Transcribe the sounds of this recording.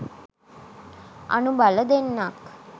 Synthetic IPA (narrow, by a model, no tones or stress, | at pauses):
ʔa̰nubaləd̪enːak